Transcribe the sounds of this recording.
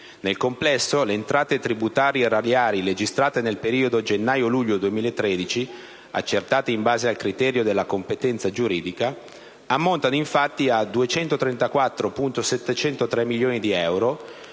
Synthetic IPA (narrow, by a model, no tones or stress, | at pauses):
nelkomplɛsːoleːnt̪ɾaːt̪et̪ɾibut̪aːɾjeradjaːɾiled͡ʒist̪ɾaːt̪enelpeɾiːod̪od͡ʒenːaːjoluʎːod̪uemiːlaet̪ːɾeːd̪it͡ʃi | a̰t͡ʃːert̪aːt̪eimbaːzealkɾit̪ɛːɾjod̪elːakompet̪ɛnt̪sad͡ʒuɾiːd̪ika | amːont̪anoiɱfat̪ːiad̪uet͡ʃɛnt̪ot̪ɾɛnt̪akwat̪ːɾopunt̪osɛt̪ːet͡ʃɛnt̪ot̪ɾɛmːiljoːnid̪iɛwɾo